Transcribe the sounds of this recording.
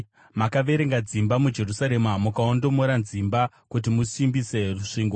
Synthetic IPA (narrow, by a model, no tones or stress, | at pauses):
makaʋe̞ɾe̞ŋɡad͡zimbamud͡ʒe̞rusaɾe̞mmukaondo̞moɾanzimba | kut̬imusimbise̞ruʂiːŋɡo